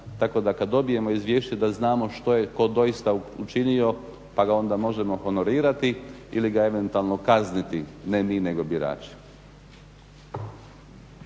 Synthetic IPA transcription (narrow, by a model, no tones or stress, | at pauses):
t̪ako̞d̪akad̪ːo̞bije̞mo̞izʋjeːʃt͡ɕed̪aznaːmo̞ʃt̪o̞jeko̞d̪o̞jist̪aut͡ʃinio̞ | paɡao̞nd̪amo̞ʒe̞mo̞ho̞no̞ɾiːɾat̪iiliɡae̞ʋe̞nt̪ualˠno̞kaznit̪inemiːne̞ɡo̞biɾa̰ːt͡ʃi̥